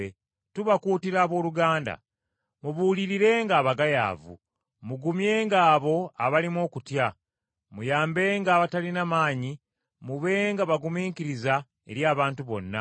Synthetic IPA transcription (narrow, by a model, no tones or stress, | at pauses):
e | tuβakuːtiɾaːβo̞ːluɡaːnda̰ | muβuːliɾiɾe̞ːŋɡaːβaɡaja̰ːvṵ | muɡumje̞ːŋɡaːβo̞aβalimo̞ːkutja | mujaːmbe̞ːŋɡaːβatalinamaːɲi | muβe̞ŋɡaβaɡumiːŋkiɾiza | e̞̰ɾjaːβaːntuβo̞̰nːa̰